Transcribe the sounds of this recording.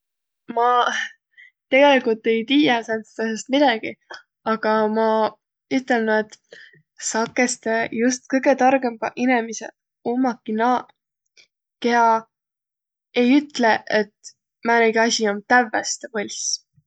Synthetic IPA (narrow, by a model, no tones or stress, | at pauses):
mɑ | t̪e̞ɡ̥e̞likult̪ːe̞jt̪iːjɑsent̪st̪ɑsest̪̚mid̪ɑɡ̥i | ɑɡ̥ɑmɑ | yt̪ːˑe̞lnɑd̪̥ | sɑkːˑe̞st̪ejust̪̚kɤjɡ̥e̞t̪ɑrɡ̥e̞mbɑʔinemisḛ | omːɑkːinɑ | ke̞ɑ | ejyt̪leʔet̪ | mæːneɡ̥iɑsʲiomt̪ævːæst̪volʲs